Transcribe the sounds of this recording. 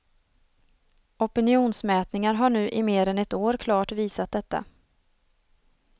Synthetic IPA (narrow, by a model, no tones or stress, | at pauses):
ɔpɪnɪuːnsmɛːt̪nɪŋaɾɦaɳʉ̟ːʔɪmeːɾɛnɛt̪oːɾkʰlɑːʈviːsat̪̚d̪ɛt̪ːa̰